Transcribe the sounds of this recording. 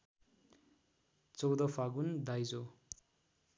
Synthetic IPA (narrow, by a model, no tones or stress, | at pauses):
t͡sowd̪ʌfʰaɡund̪ajd͡zo